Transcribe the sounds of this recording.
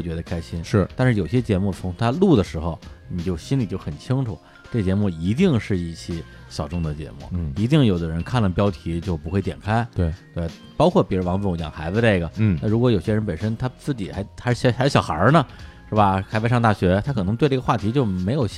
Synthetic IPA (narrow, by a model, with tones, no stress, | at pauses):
t͡ɕɥɛ˧˥d̪ə˧kʰa˥ɪɕi˥nʂɻ̩˥˩t̪a˥˧nʂɻ̩˥˩jo˨˩ʊ˩ɕɛ˥t͡ɕjɛ˧˥mu˥˩t͡sʰʊ˧˥ŋ˥t̪ʰa˥lu˥˩d̪ə˩ʂɻ̩˧˥xo˥˧ʊni˨˩t͡ɕjo˥˩ʊɕi˥nli˨˩t͡ɕjo˥˩ʊxə˨˩nt͡ɕʰi˥ŋʈ͡ʂʰu˨˩˦ | ʈ͡ʂɤ˥˩t͡ɕjɛ˧˥mu˥˩i˧˥t̪i˥˧ŋʂɻ̩˥˧i˥˩t͡ɕʰi˧˥ | ɕjɑ˨˩ʊʈ͡ʂʊ˥˧ŋd̪ə˨˩t͡ɕjɛ̰˧˥mṵ˥˩˧i˧˥t̪̬i˥˩ŋjo˨˩ʊd̪ə˦ɻə˧˥nkʰa˥˩nlə˩pjɑ˥ʊt̪ʰi˧˥t͡ɕjo˥˧ʊpu˧˥xwe˥˩ɪt̪jɛ˨˩nkʰa˥ɪt̪e˥˩te˥˩ | pɑ˥ʊkʰwɔ˥˩pjɛ˧˥˧wɑ˧˥ŋ˥˩˧t͡ɕjɑ̰˨˩ŋxa˧˥ɪbə˧ne˥˩ɪɡə˩˥˩na˥˩ɻu˧˥kwɔ˧˥jo˨˩ʊɕjɛ˥ɻə˧˥npə˨˩nʂə˥nt̪ʰa˥t͡sɹ̩˥˩t͡ɕi˨˩xa˧˥ɪxʂ̩˥˩˧ʂa˧˥ʂ̩˥˩jɑ˨˩ʊxɐ̰˞˧˥nə˧ʂɻ̩˥˩bɐ˩xʰa˥ɪpe˧˥ɪʂɑ˥˧ŋt̪a˥˩ɕɥɛ˧˥t̪ʰa˥kʰɤ˨˩n˧˥t̪we˥˧˥ɡə˧xwa˥˩t̪ʰi˧˥t͡ɕjo˥˩ʊme˧˥ɪjo˨˩ʊ